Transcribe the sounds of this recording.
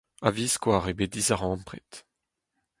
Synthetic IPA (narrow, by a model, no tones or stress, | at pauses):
aviskwaːʁebed̪izaʁɑ̃mpʁet̪